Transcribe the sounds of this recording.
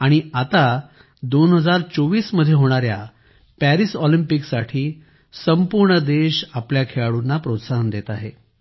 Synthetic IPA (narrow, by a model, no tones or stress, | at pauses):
aɽ̃iat̪a | d̪onɦəd͡zaɾt͡soʋiːsməd̪ʱːjeɦoɽ̃aɾja | pæɾisɔlimpiksaʈʰiː | səmpuɾɳəd̪eɕapljakʰeɭaɽunːapɾot̪saɦənd̪et̪aɦe